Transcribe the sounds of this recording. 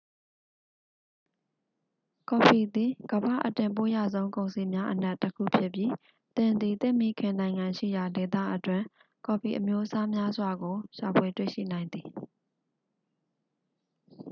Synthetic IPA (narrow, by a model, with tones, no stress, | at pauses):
kɔ˨fi˨d̪i˨ɡ̥əba̰˦˨ʔətɪ̃˨mpo˦ja̰˦˨zõ˦ʊ̃ŋkõ˨ʊ̃nsi˨mja˦ʔəna˦ʔtːəkʰṵ˦˨pʰjɪ˦˨pji˦ | t̪ɪ̃˨nd̪i˨t̪ɪ̃˦˨mi˦kʰɪ̃˨nã˨ɪ̃ŋã˨ʃḭ˦˨ja˨de˨t̪ä̰˦˨ʔətwɪ̃˨ | kɔ˨pʰi˨ʔəmjo˦ʔəsa˦mja˦zwa˨ɡo˨ʃa˨pʰwe˨twḛ˦˨ʃḭ˦˨nã˨ɪ̃nd̪i˨